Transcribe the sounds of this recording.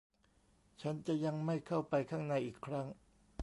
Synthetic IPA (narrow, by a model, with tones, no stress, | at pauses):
t͡ɕʰa˦˥nt͡ɕa˨˩ja˧ŋma˥˩jkʰa˥˩wpa˧jkʰaː˥˩ŋna˧jʔiː˨˩kʰɾa˦˥ŋ